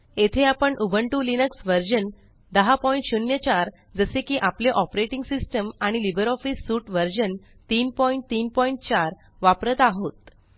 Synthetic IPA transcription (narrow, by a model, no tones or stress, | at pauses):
et̪ʰeapəɳʔubʱəɳʈulinəksʋəɾd͡ʑən | d̪əɦapɔjĩɳʈɕunjət͡ɕaɾ | d͡zəsekiːʔapleʔɔpɾeʈiŋɡsisʈəmaɽ̃ilibəɾɔfisːuːʈʋəɾd͡ʑən | t̪iːnpɔiɳʈ̚t̪iːnpɔiɳʈ̚t͡ɕaɾ | ʋapɾət̪aɦot̪